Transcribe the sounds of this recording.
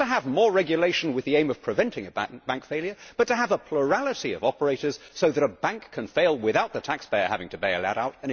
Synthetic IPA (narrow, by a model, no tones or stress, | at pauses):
ɨəvmɔɹɹɛɡjɨleɪʃn̩wɨðiẽɪ̃mʌv̥pʰɹ̥ɨvɛ̃ntɪ̃ŋɨbb̥æ̃ŋkfeɪljə˞b̥ʌtɨːvəpʰl̥ə˞ælˠəɾiʌ̰vɑpə˞eɪɾə˞z̥soʊðɨɾəbæ̃ŋkʰɨ̃nfeɪlˠwɪθaʊt̪̚ðɨtʰækspeɪə̰˞hævɪ̃ŋtʰɨbeɪɨ̰læ̰ɾaʊɾɨ̃n